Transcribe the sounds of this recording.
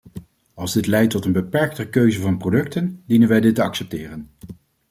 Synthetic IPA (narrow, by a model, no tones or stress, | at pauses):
ɑlˠzdɪtlɛjtːɔtənbəpɛɹk̚təkøɥzəvɑnprodɵktəndinənʋɛjdɪtːəɑksɛp̚tɪːrən